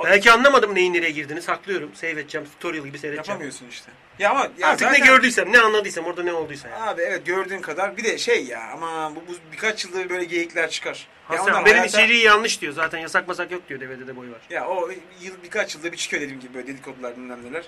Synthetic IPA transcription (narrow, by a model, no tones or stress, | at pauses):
bælʲcʰianlˠamad̪ɯmne̞jinːeɾejɛɟiɾd̪inisaklˠɯjo̞ɾumsɛvɛt̪̚t͡ʃʰːɛmst̪ʰoɾjɯlˠɟibisɛvɛjat͡ʃpʰaæmɯjosuniʃt̪ʰɛ | jaamajaɾt̪ʰɯknɛɟø̞ɾd̪yjsæmnɛanlˠad̪ɯjsɛmo̞ɾd̪anɛo̞lˠd̪ujsajaaːbievɛt̪̚ɟøɾd̪yːmkʰad̪aɾbid̪ɛʃejːa̰a̰mabububikʰat͡ʃjɯlˠd̪abɯbø̞jlʲɛɟejiclʲæɾt͡ʃʰɯ̥kʰaɾ̥ | haaaabeimit͡ʃʰiɾijjanlˠɯʃd̪ijo̞zaːt̪ʰænjasakmasakjo̞k̚d̪ijo̞d̪eved̪ɛd̪ɛbo̞jvaɾ̥jao | jɯlˠbikʰat͡ʃjɯlˠd̪abit͡ʃʰi̥cʰød̪ed̪ʲimɟibibølɛd̪elʲikʰod̪ulˠaɾd̪ynlʲæmlʲiɾlʲæɾ̥